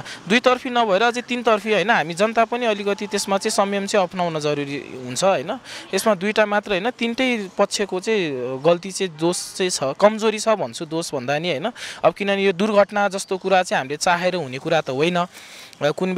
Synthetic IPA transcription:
d̪ujt̪ʌrpʰinʌbʱʌeɾʌːd͡zet̪int̪ʌrpʰiɦʌjnʌɦamid͡zʌnt̪apʌniʌlikʌt̪it̪esmat͡sʌĩsʌmjʌmt͡sʌ̃ĩʌpʰnawnʌd͡zʌɾuɾḭɦunt͡sʰʌɦʌjnʌt̪esmad̪ujʈamat̪rʌɦʌjnʌt̪inʈʌjpʌtːt͡sʰjekot͡sʌĩɡʌlt̪̬it͡sʌĩd̪ost͡sʌ̃ĩt͡sʰʌkʌmd͡zoɾit͡sʰʌbʱʌnt͡sʰud̪osbʱʌnd̪aniɦʌjnʌʌbʌkinʌnijod̪urɡʱʌʈnad͡zʌst̪okuɾat͡sʌ̃ĩɦamlet͡saɦeɾʌɦunekuɾat̪ʌɦojnʌ | kun

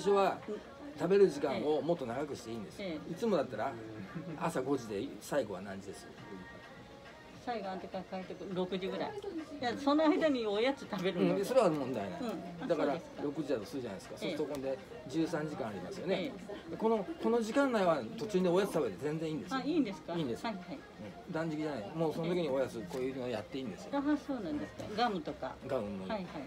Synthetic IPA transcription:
ɕoβa | t̪abe̞ɾɯ̟ʑikão̞mo̞t̪ːo̞naɡakɯ̟ɕi̥t̪e̞ĩːnd̪e̞sɨit͡sɨmo̞d̪at̪ːaɾa | asaɡo̞d͡ʑid̪e̞saiɡo̞βanãɲ̟d͡ʑid̪e̞sɨ̥o̰ | saiɡãt̪ekãkaet̪ekɯɾokɯ̟d͡ʑiɡɯ̟ɾaijasonoaid̪aɲ̟iojat͡sɨt̪abeɾɯɯ̃so̞ɾe̞βamõnd̪ainã̰d̪akaɾḁɾo̞kɯ̟ʑid̪at̪o̞sɨɾɯ̟d͡ʑanajsɨ̥kaso̞st̪okond̪e̞ | d͡ʑɨːsãɲ̟d͡ʑikãːaɾʲima̰sɨjo̞ned̪eko̞no̞ko̞no̞ʑikãnːaiβat̪o̞t͡ɕɨːneo̞jazɨ̥t̪abe̞t̪ezẽ̞nd͡zẽ̞iːnd̪e̞saĩːnd̪e̞sɨ̥kaĩːnd̪e̞shai | ɯ̟̃ɴ | d̪ãɲ̟d͡ʑikʲiʑanaimo̞ːsonot̪oiɲio̞jat͡sɨko̞ːjɯːnooja̰t̪ːe̞ĩːnd̪esɨ̥j̰o̰soːnãnd̪esɨ̥ka̰ɡamɯt̪oka̰ɡaɯ̟̃nːohaihai

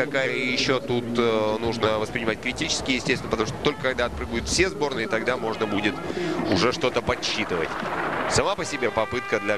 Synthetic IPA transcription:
kɐkajəjɪɕːot̪ut̪nuʐnəvəspɾʲɪnʲɪmatʲkɾʲɪtʲit͡ɕɪ̥skʲɪjɪsʲtʲesʲɪnəpət̪ɐmuʂt̪ot̪o̞lʲkəkɐɡ̚d̪aɐt̪pɾɨɡəjʊt̪fsʲezbo̞rnɨɪt̪ɐɡd̪amo̞ʐnəbudʲɪt̪ʊʐɛʂt̪o̞t̪əpɐɕːit̪ɨvə̰tʲsɐmapəsʲɪbʲepɐpɨt̪kəd̪lʲɐ

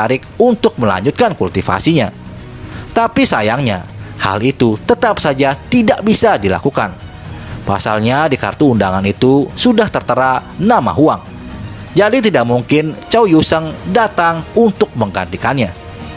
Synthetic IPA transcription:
aɾɪk̚unt̪ʊk̚məla̰ɲd͡ʒʊt̪̚kankult̪ifa̰siɲa | t̪apisajaŋɲa̰ha̰lit̪ut̪ət̪apsad͡ʒat̪idaʔbisadila̰kuka̰n | pa̰sa̰lɲadika̰rt̪uːndaŋanit̪usudaht̪ərt̪əɾanama̰ɦuaŋ | d͡ʒadit̪idaʔ̚muŋkɪnt͡ʃawjusəŋdat̪aŋunt̪ʊk̚məŋɡa̰nt̪ikanɲa

